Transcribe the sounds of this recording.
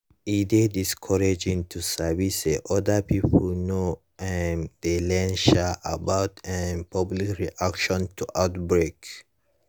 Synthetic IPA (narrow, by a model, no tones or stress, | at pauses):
idediskʰɔɹed͡ʒĩntʰusaviseʔɔdapʰipʰolno | ɛnd̪elɛ̃nʃaʔabawtɛnpʰɔblikɹiʔakʃɔ̃ntuʔawtbɹek